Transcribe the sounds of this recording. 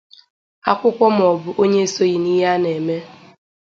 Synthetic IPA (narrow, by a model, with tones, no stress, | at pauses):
a̰˦kʷʊ˦kʷɔ˦m̩˨ɔ˨bʊ˦ʔo˦ɲe˦so˦ji˨ni˦ɦa˦ne˨me˦